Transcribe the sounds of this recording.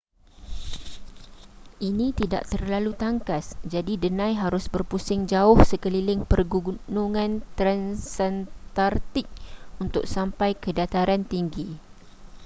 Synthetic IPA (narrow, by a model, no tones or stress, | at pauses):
ʔinĩt̪ida̰ʔt̪ərlalut̪aŋkasd͡ʒadidənãjɦaɾʊsbərpusɪŋd͡ʒaʊhsəkəlilɪŋpərɡuɡunuŋãnt̪ɾansɛnt̪art̪ɪk̚unt̪ʊ̰k̚sampajkədat̪aɾant̪iŋɡi